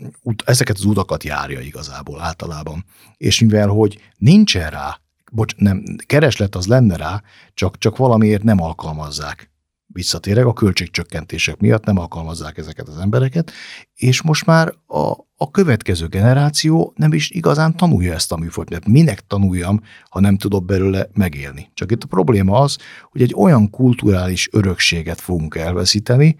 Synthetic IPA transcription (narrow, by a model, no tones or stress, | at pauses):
ut̪ɛzɛkɛt̪ɒzut̪ɒkɒt̪ja̰ːɾjɒ̰iɡɒza̰ːbo̰ːlaːlt̪ɒlaːbɒn | ḛːʃmivɛlɦo̞ɟ | nint͡ʃɛnra̰ː | bot͡ʃnɛmkɛɾɛʃlɛt̪ːɒzlɛnːɛɾaː | t͡ʃɒkt͡ʃɒkʋɒlɒmieːrt̪nɛmɒlkɒlmɒzːaːk | ʋisːɒt̪eːɾɛkɒkø̞lt͡ʃeːk̚t͡ʃøkːɛnt̪eːʃɛkmijɒt̪nɛmɒlkɒlmɒzːaːkɛzɛkɛt̪ɒzɛmbɛɾɛkɛt̪ | eːʃmo̞ʃt̪maːɾɒ̰ː | kø̞vɛt̪kɛzøːɡɛnɛɾaːt̪sijoːnɛmiʃiɡɒzaːnt̪ɒnṵjːɒɛst̪ɒmyːfot̪ɛt̪minɛkt̪ɒnujːɒm | hɒnɛmt̪ud̪o̞bbɛløːlɛmɛɡḛːlnit͡ʃɒkit̪ːɒpro̞bleːmɒɒzho̞ɟɛɟːo̞jɒŋkult̪uɾaːliʃøɾø̞kʃeːɡɛt̪fo̞ɡuŋkɛlvɛ̰siːt̪ɛni